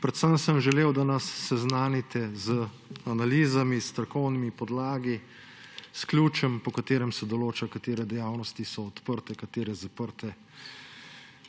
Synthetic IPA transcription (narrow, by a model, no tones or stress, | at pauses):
pɾɛt̪səmsəmʒɛleːwd̪anasːɛznaːnit̪ɛzə | analiːzamist̪ɾakɔwnimipɔd̪laːɡi | sklʲjuːt͡ʃɛmpɔkat̪eːɾɛmsɛd̪ɔloːt͡ʃakat̪eːɾɛd̪ɛjaːwnɔst̪isɔːt̪pəɾt̪ɛkat̪eːɾɛzapəɾt̪ɛ